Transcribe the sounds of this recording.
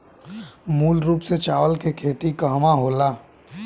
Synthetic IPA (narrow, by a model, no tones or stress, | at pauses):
muːlɾuːpset͡ʃaːʋəlkekʰeːt̪ikaɦmaɦoːlaː